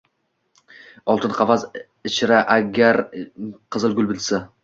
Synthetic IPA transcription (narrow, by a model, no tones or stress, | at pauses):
ɒlˠt̪ʰɪnqʰɑfas | ɪt͡ʃʰɾaʔaɡʲaɾqʰɨzɪlˠɡʊlˠbɪlsa